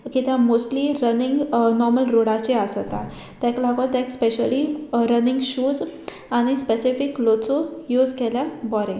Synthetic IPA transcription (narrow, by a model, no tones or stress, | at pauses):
kit̪jãmosʈliɾəniŋɡnɔɾməlɾoɽat͡ɕeasɔt̪a | t̪ɛ̃klaɡõt̪ɛ̃kspeɕəliɾəniŋɡɕuːd͡z | aɽ̃ispesifiklot͡sojud͡zkɛljãbɔɾɛ̃